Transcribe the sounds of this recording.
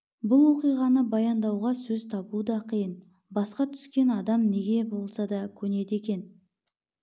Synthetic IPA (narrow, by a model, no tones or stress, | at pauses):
bʊlˠwo̞qijʁɑnəbɑjɑnd̪ɑwʁɑsɵzt̪ʰɑbud̪ɑqʰijən | bɑsqɑt̪ʰʏ̥skʲe̞nɑd̪ɑmne̞ɡʲe̞bo̞lˠsɑd̪ɑkʲʰɵne̞d̪e̞kʲe̞n